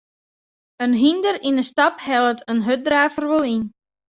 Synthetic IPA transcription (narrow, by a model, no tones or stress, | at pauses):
ənɦindərinəstɑphɛlˠətʰənɦøt̚draːfərʋəlˠin